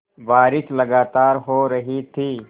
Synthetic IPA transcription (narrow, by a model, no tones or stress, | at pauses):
baːɾɪʃlɐɡaːt̪aːɾɦoɾɐɦit̪ʰiː